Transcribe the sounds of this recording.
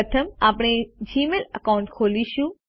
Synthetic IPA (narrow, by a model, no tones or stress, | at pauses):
t̪ʰəmaːpɽ̃ed͡ʑiːmeləkaːʊ̃ɳʈkʰoːliɕũ